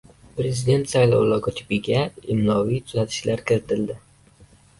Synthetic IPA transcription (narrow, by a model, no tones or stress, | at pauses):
pɾe̞zid̪e̞nt̪sajlˠɒwlˠɒɡot̪ʰɪ̥pɪɡʲaɪmlɒvijt̪ʰʊzat̪ʰɪ̥ʃlaɾkʰʲɪɾɪt̪ʰɪld̪ɪ